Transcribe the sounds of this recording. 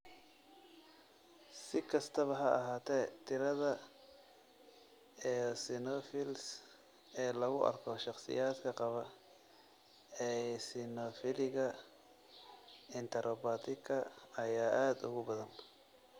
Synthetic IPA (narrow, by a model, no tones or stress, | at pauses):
sɪkʰɐst̪ʰɐβɐɦɐʔɐɦaːt̪ʰɛːt̪ʰɪɾɐðɐ | ɛsɪnɔːfɪls | ɛːlɐɣʊʔɐ̰rkʰɔʃɑχsɪ̰jaːd̪kʰɐqɑβɐ | ɛsɪnɔfɪlɪɣɐ | ɪnt̪ʰɐɾʔɔbaːt̪ʰɪkʰɐɐjaːʔaːd̪ʊ̰ɣʊbɐðɐn